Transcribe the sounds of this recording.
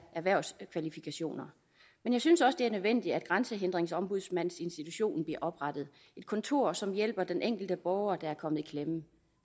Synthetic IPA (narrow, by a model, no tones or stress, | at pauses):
æɐʋæɐʊskʰʋælifikʰæɕo̝̰ːnɐ | menjɑ̈ɪsynsɒ̽sd̥e̝æɐnøðˠʋen̰d̥i̥æd̥ɡ̥ʁɑ̈nsəɦend̥ʁeŋsɒ̽mb̥uð̞ˠsmæn̰se̝nsd̥it͡sʰuɕo̝̰ːn̩b̥liɐʔɒ̽b̥ʁɑ̈d̥ð̩ˠ | e̝d̥̚kʰɒ̽nt͡sʰo̝ɐ̰sɒ̽mjel̰b̥ɐd̥enʔeŋ̰ɡ̥l̩d̥əb̥ɒːʊɐd̥ɑ̈æɐkʰɒ̽mð̩ˠikʰlem